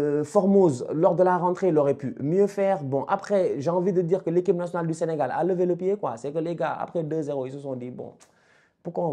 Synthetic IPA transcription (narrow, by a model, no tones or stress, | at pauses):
fɔʁmozlɔʁd̪əlaʁɑ̃t̪χeloʁɛpymjøfɛːʁbɔ̃ʔapχɛʒeɑ̃vid̪əd̪iːʁkəlekip̚nasjɔnald̪yseneɡala̰ləveləpjekwa̰sɛkəleɡaa̰pχɛd̪øzeʁoilsəsɔ̃d̪ibɔ̰̃ | puʁkwã